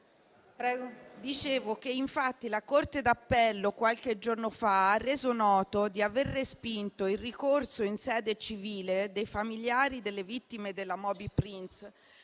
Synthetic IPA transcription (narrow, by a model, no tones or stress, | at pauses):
pɾɛɡod̪it͡ʃeːvok̟eiɱfat̪ːilakort̪ed̪apːɛlːokwalked͡ʒornofaarːeːzonɔːt̪od̪iaverːespint̪oilrikorsoinsɛːd̪et͡ʃiviːled̪ejfamiljaːɾid̪elːevit̪ːimed̪elːamɔːbipɾins